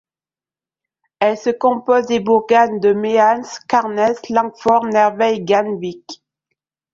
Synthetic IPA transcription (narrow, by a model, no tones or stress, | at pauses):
ɛlsəkɔ̃pɔzd̪ebuʁɡand̪əmeanskaʁnɛslɑ̃ɡfɔʁnɛʁvɛjɡanvik